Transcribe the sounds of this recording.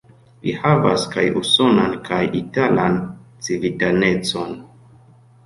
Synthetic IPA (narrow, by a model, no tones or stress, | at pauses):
lihava̰skajuso̞nankʰajitalant͡sivitane̞t͡so̞n